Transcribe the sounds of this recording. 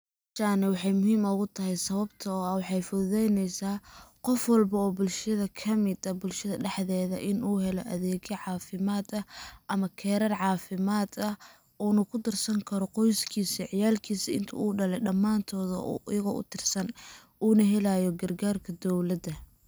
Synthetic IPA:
t͡ʃaːnɛwɑħɑjmʊɦiːmɔɣʊt̪ʰɐɦɛjsɐβɐbt̪ʰɐɔːɐwɑħɑjfʊðɛjnɛjsaːqɔfwɑlbɐɔːbʊlʃɐðɐkʰɐmɪd̪ɐbʊlʃɐðɐɖɛħðɛːðɐ̰ʔɪnuːɦɛlɔʔɐðɛːɣɐʕɑːfɪmaːd̪ɐʔɐmɐkʰɛːɾɐrʕɑːfɪmaːd̪ɐh | ɔːnɐkʰʊd̪ɪrsɐŋkʰɐɾɔqɔjskʰiːsiʕɪjaːlkʰiːsiɪ̰nt̪ʰɐ̰uːɖɐlɛɗɐmːaːnt̪ʰɔːðɐʔʔɪjɐɣɔːʔʊ̰t̪ʰɪrsɐn | ʔuːnɐɦɛlajɔɡɐrɡaːrkʰɐd̪ɔwlɐd̪ɐ

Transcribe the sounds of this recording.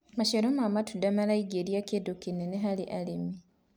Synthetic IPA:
maʃeɾomamatudamalaiɡeɾjakedokineneɦalḭʔalimi

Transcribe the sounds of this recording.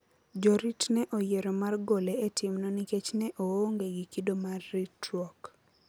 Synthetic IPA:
d͡ʒɔɾitnɛʔojeɾomarɡoleetʰɪmnɔniket͡ʃnɛʔooŋɡeɡikidomarːitwɔk

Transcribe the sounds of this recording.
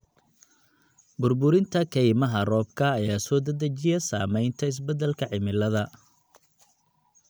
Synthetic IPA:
bʊrbʊɾɪnt̪ʰɐkʰɛjmɐɦɐrɔːb̚kʰɐːjaːsɔːd̪ɐd̪ɐt͡ʃɪjɐsaːmɛjnt̪ʰɐɪs̬bɛd̪ɛlkʰɐʕɪmɪlɐðɐ

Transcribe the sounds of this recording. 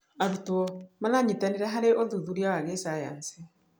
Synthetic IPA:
aɾutuɔmalaɲitaniɾaɦaɾɛʔɔðuðuɾjawaɣɛsaja̰nsi

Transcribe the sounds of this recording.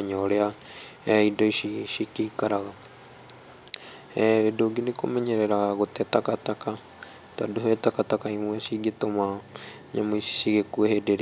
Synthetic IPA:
ɲɔɾea | idɔiʃiʃikeikaɾaɣa | edoɡinekomɛɲɛɾɛɾaɣotɛtakataka | tadoɦɛtakatakaimwɛsiɡetoma | ɲamoisi̥siɣekuwehedeɾe

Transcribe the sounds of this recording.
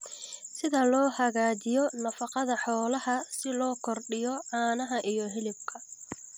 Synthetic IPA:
sɪðɐlɔːhɐɣaːd͡ʒɪjɔnɐfɑqɑðɐħɔːlɐɦɐsɪlɔːkʰɔrɖɪjɔʕaːnɐɦɐʔijɔɦɪlɪb̚kʰɐ

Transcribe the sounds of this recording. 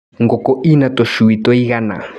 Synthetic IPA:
ŋɡokoʔinat̪oʃuwit̪oiɣana̰

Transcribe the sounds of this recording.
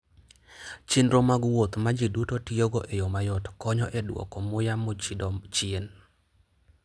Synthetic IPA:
t͡ʃindɾomaɡwot̪mad͡ʒidutotioɡoʔejomajɔtkɔɲɔʔɛdwo̰kɔmʊjamot͡ʃɪen

